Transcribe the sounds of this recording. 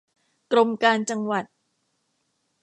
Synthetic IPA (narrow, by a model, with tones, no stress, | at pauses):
kɾo˧mkaː˧nt͡ɕa˧ŋwa˨˩t̪̚